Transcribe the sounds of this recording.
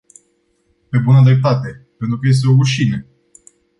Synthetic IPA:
pe̞bunəd̪ɾep̚t̪at̪e̞pent̪ɾukəje̞s̬t̪e̞o̞uʃine

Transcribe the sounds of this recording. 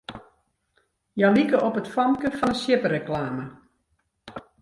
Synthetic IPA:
jalikəʔɔpətfɔmkəfɔnəsjɪpəɾəklaːmə

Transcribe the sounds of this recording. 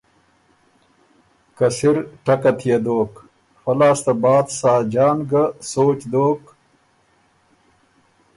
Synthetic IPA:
kɐsiɾʈɐkat̪ʰijed̪oːk | xɐlaːst̪abaːd̪saːd͡ʑaːnɡasoːt͡ɕd̪oːk

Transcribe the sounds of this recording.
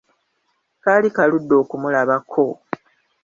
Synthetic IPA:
kaːlikaludːo̞ːkumulaβakʰo̞

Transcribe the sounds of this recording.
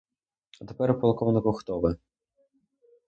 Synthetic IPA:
ɐt̪epɛɾpɔlˠkɔwnɪkɔxt̪ɔʋɪ

